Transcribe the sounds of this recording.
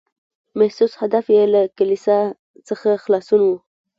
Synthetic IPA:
mahsushad̪afjelakalisa | t͡səxaxlɑsunwu

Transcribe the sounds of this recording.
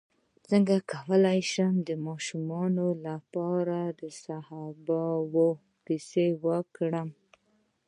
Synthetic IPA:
t͡səŋɡakʰawəlajʃəmd̪əmɑʃumɑnolapɑɾad̪əsahɑbawo | qisewəkɽəm

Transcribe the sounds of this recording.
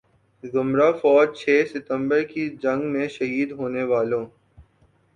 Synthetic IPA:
zʊmɾafɔːd͡ʒt͡ʃʰeːsɪt̪ə̃mbəɾkid͡ʒɐ̃ŋɡmẽʃɐɦiːd̪ɦoːneʋaːlõː

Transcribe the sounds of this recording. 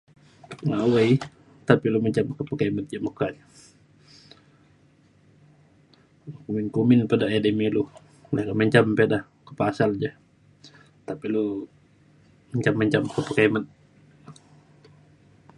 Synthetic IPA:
ŋaʔwaj | t̪apiluməɲt͡ʃamkəpəkaimət̪̚d͡ʒaməkaɲ | kuminkuminpadaedemilu | lakaməɲt͡ʃampedah | kəpasald͡ʒa | t̪apilu | məɲt͡ʃamːəɲt͡ʃamkəpəkaimət̪̚

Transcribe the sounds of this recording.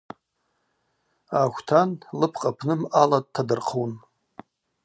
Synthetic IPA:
akʷtʰanlɨpʰqʼapʰnɨmalad̚tʰːadɨrqʰuwn

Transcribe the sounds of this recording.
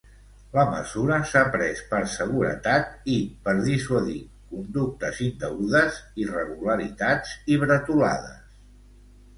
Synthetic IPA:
ləmə̰zuɾəsapɾɛspəɾsəɣuɾə̰t̪at̪ipəɾðiswəði | kund̪uk̚t̪əzind̪əuðəzirəɣuləɾit̪ad͡ziβɾət̪ula̰ðəs

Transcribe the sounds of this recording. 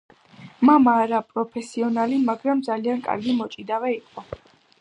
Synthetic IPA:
mamaːɾapʼɾɔpʰɛsiɔnalimaɡɾamd̪zaliankʼa̰ɾɡimɔt͡ʃʼid̪avɛiqʼɔ

